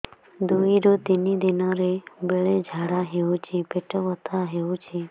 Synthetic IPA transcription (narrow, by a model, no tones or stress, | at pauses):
d̪uiɾot̪inid̪ɪnãɾebeɭed͡ʒʱaːɽaɦeut͡ʃʰepeʈəʋət̪ʰaɦeũt͡ʃʰe